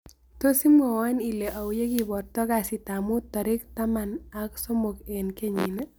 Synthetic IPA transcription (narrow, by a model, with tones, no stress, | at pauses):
to˦si˦mɔ˨wa˦ni˨le˨ʔa˨wje˦ki˨bɔ˨rtɔ˦ka˨si˨ta˨mʊ˦tːɔ˨ɾɪ˦kta˦ma˨na˦kso˦mo˨ke˨nke˦ɲḭ˨ne˦